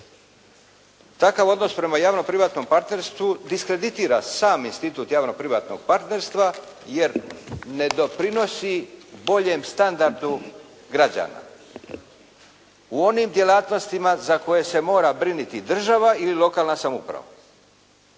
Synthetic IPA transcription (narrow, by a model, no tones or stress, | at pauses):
t̪akaʋo̞d̪no̞spɾe̞majaːʋno̞pɾiʋaːt̪no̞mpaɾt̪ne̞ɾst̪ʋud̪iskɾe̞d̪it̪iːɾasaːminst̪it̪uːt̪jaːʋno̞pɾiʋa̰ːt̪no̞̰ɡ̥̚paɾt̪ne̞ɾst̪ʋa | je̞ɾne̞d̪o̞pɾino̞sibo̞ʎe̞mst̪and̪aɾd̪u | ɡɾad͡ʑa̰ːna̰ | uo̞nimd̪je̞laːt̪no̞st̪imazako̞je̞se̞mo̞ːɾabɾinit̪id̪r̩ʒaʋaililo̞kaːlnasamṵpɾa̰ʋa̰